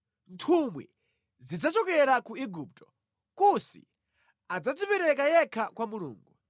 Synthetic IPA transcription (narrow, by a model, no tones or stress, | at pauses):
ntʰumwḭ | zid͡zat͡ʃɔkɛɾakuiɡup̚tɔ̥ | kusḭ | ad͡zad͡zipɛɾɛkajɛkʰakwamulṵːŋɡu